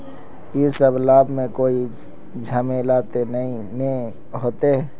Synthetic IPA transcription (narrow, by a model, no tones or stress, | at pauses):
jesəblaːbʱmẽkoːi | d͡ʒʱamelaːt̪enəĩ | ne | ɦoːt̪eɦɛ